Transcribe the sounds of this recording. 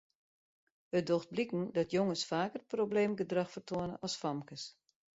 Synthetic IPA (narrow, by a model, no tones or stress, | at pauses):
ət̚doxt̚blikn̩dɔtjoŋəsfaːkərprobleːmɡədrɑxfərtʰoənə̰ʔɔsfɔmkəs